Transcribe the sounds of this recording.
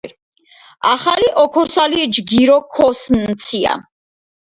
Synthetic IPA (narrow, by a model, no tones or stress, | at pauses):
aχaliʔɔkʰɔsalid͡ʒɡiɾɔkʰɔsnt̪sʰia̰